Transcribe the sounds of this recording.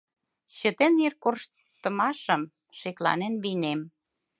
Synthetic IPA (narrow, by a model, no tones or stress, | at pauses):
ɕə̆t̪enirkorʃ | t̪ːə̆mɑʃə̆m | ʃeklɑ̰nenβinem